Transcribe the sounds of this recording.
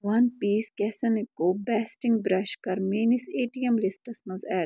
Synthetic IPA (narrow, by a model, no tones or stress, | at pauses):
ʋɐnpiːskɛːsɐnikoːbɛːsʈɪ̃ŋɡbɾɛʃkɐɾmiːniseːʈiemlisʈɐsnɐzɛː